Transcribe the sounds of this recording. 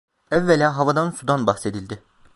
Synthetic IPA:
ɛvːelʲɛːɦavad̪ansud̪anbaxse̞d̪ilʲd̪ɪ

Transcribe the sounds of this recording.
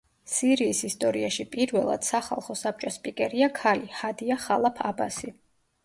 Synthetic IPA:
siɾiːsist̪ʼɔɾiaʃipʼiɾvɛlˠa̰d̪̥saχa̰lˠχɔsap̚t͡ʃʼɔspʼikʼɛɾiakʰalihad̪iaχalˠapʰaba̰si

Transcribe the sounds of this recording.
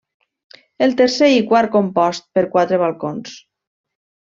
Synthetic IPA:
elˠt̪əɾseikwaɾ̚kompɔst̪̚pəɾkwat̪ɾəβalˠkons

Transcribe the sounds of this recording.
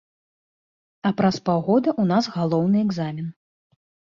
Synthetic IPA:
ɐpɾɐspawɣɔd̪ɐʔunasɣalˠɔwnɨɛɡzamʲin

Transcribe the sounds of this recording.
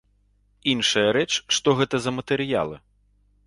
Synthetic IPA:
inʂɐjɐɾɛt͡ʂʂt̪ɔɣɛt̪ɐzɐmɐt̪ɛɾɨja̰lˠɨ̰

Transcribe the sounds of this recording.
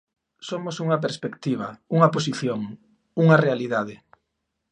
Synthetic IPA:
somosuŋɐp̬eɾspekt̪iβ̞ɐuŋɐposiθjoŋ | uŋɐrealiðað̞ɪ

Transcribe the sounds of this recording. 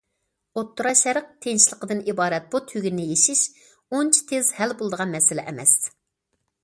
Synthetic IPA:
ot̪ːuɾɑʃɛɾəq̚t̪ʰenʃlˠəqəd̪ɨnibɑːɾɛt̪̚b̥ut̪ʰyɡʲnnɪjeʃiʃ | ont͡ʃʰi̥t̪ʰezhælbolˠd̪əʁɑnmɛsɪlɛʔɛmɛ̰s

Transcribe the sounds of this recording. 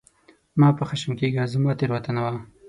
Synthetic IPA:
mɑːpəxaʃəmkeɡazamɑt̪eɾwat̪anawa

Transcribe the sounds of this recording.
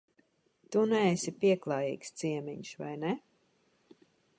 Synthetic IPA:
t̪unɛesipiɛklˠaːjḭːkst̪siɛmiɲʃva̰jnɛ

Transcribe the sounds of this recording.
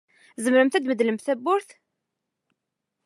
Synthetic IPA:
zəmɾəmθæd̪məd̪ləmθæbːʊɾθ

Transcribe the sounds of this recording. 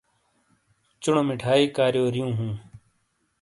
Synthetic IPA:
t͡ʃʊɳomɪʈʰaːiːkaːɾjoːɾɪjũːɦũː

